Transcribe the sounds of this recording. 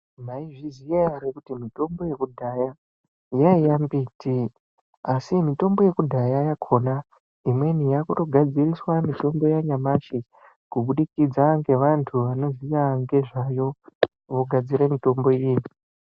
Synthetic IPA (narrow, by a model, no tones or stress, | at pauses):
maiʐizijaɾekutimito̞mbo̞je̞kudʱaja | jaijambiːtʰi | asimito̞mbo̞je̞kudʱajajakʰo̞na | imwe̞nijakuto̞ɡʱad͡ziriswamito̞mbo̞jaɲamaʃi | kuɓuɗikid͡zaŋɡe̞ʋantʰuʋano̞zijaŋɡe̞ʐajo̞ | ʋo̞ɡʱad͡ziɾemito̞mbo̞jiːni